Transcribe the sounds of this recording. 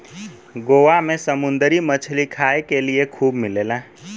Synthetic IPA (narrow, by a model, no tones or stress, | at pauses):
ɡoʋamẽsəmʊnd̪əɾimət͡ʃʰlikʰaːekeliekʰuːbmɪleːla